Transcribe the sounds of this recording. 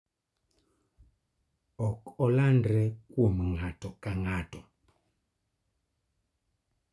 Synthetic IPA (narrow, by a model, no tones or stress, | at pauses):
ɔkɔlandɾɛkwomŋatɔkaŋatɔ